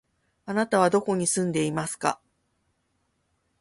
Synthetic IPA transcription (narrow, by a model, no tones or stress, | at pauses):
anat̪aβ̞ad̪o̞ko̞ɲ̟isɨ̃nd̪e̞imasɨ̥ka̰